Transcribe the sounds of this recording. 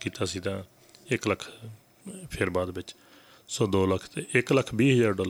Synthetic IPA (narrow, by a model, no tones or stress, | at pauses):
kiːt̪aːsiːt̪ãː | ɪkləkʰ | pʰɪɾbaːd̪bɪt͡ʃ | soːd̪oːləkʰt̪eɪkləkʰbiːɦəd͡ʒaːɾɖɔːlə